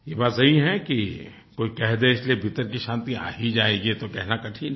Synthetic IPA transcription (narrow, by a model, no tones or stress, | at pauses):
jebaːt̪sɐɦiɦɛki | koːikɛɦd̪eɪsliebʱit̪əɾkiʃãːnt̪ia̰ːɦid͡ʒaːeːɡit̪okɛɦnakɐʈʰin